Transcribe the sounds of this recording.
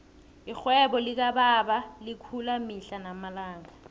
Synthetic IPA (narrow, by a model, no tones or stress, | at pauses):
ɪk͡xwɛbɔlɪk̬ababalɪkʰulamiɬanamalaːŋɡa